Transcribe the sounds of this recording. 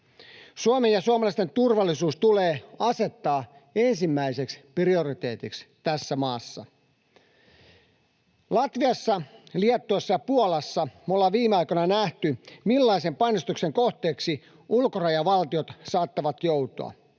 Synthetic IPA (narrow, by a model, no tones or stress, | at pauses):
suomenjɑsuɑmɑlɑˑist̪e̞nt̪urʋɑlːisuːst̪uleːɑse̞t̪ːɑː | e̞nsimːæise̞ksprio̞rit̪e̞̰ːt̪ikst̪æsːæmɑːsːɑ̰ | lɑt̪ʋiɑsːɑliɛt̪ːoesːɑjɑpuolɑsːɑmolːɑʋiːmeɑikonɑnæht̪ymilːɑise̞mpɑnːost̪ukse̞ŋkoht̪eːksi | ulkorɑjɑʋɑlt̪io̞t̪sɑːt̪ːɑʋɑt̪jowt̪o̰ɑ̰